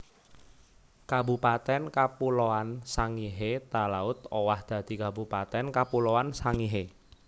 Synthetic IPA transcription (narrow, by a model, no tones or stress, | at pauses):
kabṳpat̪ɛnkapuloansaŋiɦet̪alaʊt̪owahd̪̥ä̤d̪̥i̤kabupat̪ɛnkapuloansaŋiɦe